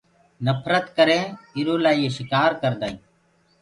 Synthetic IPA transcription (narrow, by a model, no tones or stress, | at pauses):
nəpʰɾət̪kəɾẽːɪɾõːlaːieːʃɪkaːɾkəɾd̪aːĩː